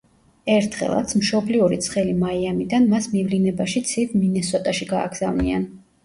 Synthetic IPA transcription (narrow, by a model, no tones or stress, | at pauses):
ɛɾt̪ʰχɛ̰lˠa̰t̪sʰmʃɔbliuɾit̪sʰχɛlimaiamid̪anmasmivlinɛbaʃit̪sʰid̪minɛsɔt̪ʼaʃiɡa̰ːɡz̥avnḭa̰n